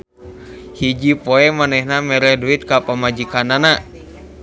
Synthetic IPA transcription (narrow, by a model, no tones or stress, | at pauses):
hid͡ʒipoɛmanɛhnamɛɾɛduit̪̚kapəmad͡ʒikanana